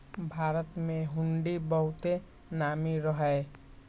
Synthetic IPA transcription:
bʱaːɾət̪mẽɦʊ̃ɳɖibəɦʊt̪e | naːmiɾəɦɛ

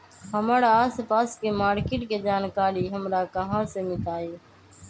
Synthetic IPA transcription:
ɦəmaːɾaːaːspaːskeːmaːɾkeːʈkeːd͡ʒaːnkaːɾiːɦəmɾaːkəɦãːseːmɪt̪aːeː

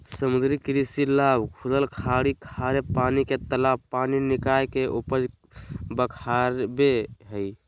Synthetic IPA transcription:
səmud̪ɾikɾisilabkʰuləlkʰaɽikʰaɾepaniket̪əlabpaninikajkeʔupəd͡ʒ | bəkʰaɾbeɦəj

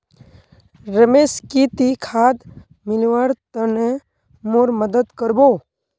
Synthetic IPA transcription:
ɾəmeːskit̪ikʰaːd̪ | mɪlʋaɾt̪əne | moɾməd̪əd̪kəɾbo

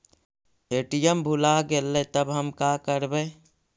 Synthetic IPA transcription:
eːʈijəmbʱʊlaɡelːet̪əbɦəmkaːkəɾbẽː

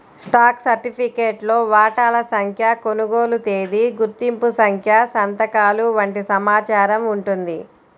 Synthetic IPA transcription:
sʈaːksɐɾʈipʰikeːʈlo̞ːʋaːʈaːlɐsɐŋkʰjɐko̞nuɡoːlut̪eːd̪iɡuɾt̪impusɐŋkʰjɐsɐnt̪ɐkaːluʋɐɳʈisɐmaːt͡ʃaːɾɐmuɳʈund̪i

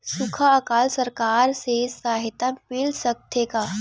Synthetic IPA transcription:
sukʰaəkalsəɾkaɾsesaɦit̪apilsək̚t̪ʰeka

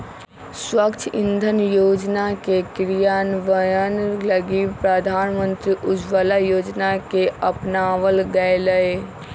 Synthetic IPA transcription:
swəkt͡ʃʰɪ̃nd̪ʱənjoːd͡ʒnakekɾijaːnʋəjənləɡipɾəd̪ʱaːnmə̃nt̪ɾiʔʊd͡ʒʋəlajoːd͡ʒnakeəpnaːʋəlɡəeləe

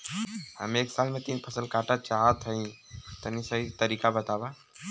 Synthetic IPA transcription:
hə̰mẽeːksaːlmẽt̪iːnpʰəsəlkaːʈat͡ʃaɦət̪əĩ | t̪ənisəɦit̪əɾiːkabət̪aːba

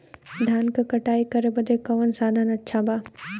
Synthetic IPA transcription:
d̪ʱaːnkɐkɐʈaːikɐɾebɐd̪ekɐʋənsaːd̪ʱaːnɐtːʃʰabaː

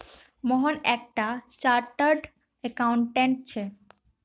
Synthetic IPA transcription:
mɔɦonɛk̚ʈat͡ɕaɾʈaɾɖ | ekawɳʈeɳʈ̚t͡ɕʰe

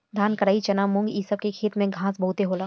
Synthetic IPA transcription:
d̪ʱaːnkɐɾaːit͡ʃɐnaːmʊ̃ŋɡiːsəb̚kekʰeːt̪mẽɡʱãːsbɐɦut̪eɦoːlaː

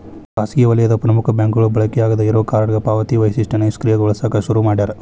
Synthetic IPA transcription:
aːskijɐʋɐlɐjɐd̪ɐpɾɐmukʰɐbjaːŋkɡɐɭubɐɭɐkɛjaːɡɐd̪ɐiɾoːkaːɾɐɽɡɐpaːʋɐt̪iʋɐjsiʂʈɐneskɾijɐɡɔɭɐsaːkɐʃuɾumaːɽid̪aːɾe

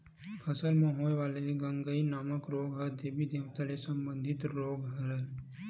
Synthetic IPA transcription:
pʰɐsəlmõɦoːjʋaːleɡɐ̃ŋɡəinaːməkɾoːɡɦɐd̪ebid̪eːʋt̪alesɐ̃mbə̃nd̪ʱɪt̪ɾoːɡɦɐɾɛ

